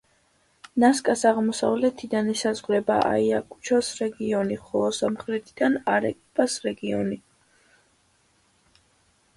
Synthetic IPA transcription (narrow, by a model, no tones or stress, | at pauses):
naskʼasaʁmɔsa̰vlɛt̪ʰid̪anɛsazʁɾɛba̰ʔa̰iakʼu̥t͡ʃʰɔsɾɛɡiɔniχɔlˠɔsamχɾɛt̪ʰid̪̥anaɾɛ̰kʼpʼasɾɛɡiɔ̰ni